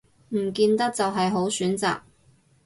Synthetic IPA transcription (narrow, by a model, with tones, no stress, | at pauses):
m̩˨˩kiː˧nt̪ɐ˥k̚t͡sɐ˨wɦɐ˨jɦo˨˥wsyː˨˥nt͡sa̰ː˨k̚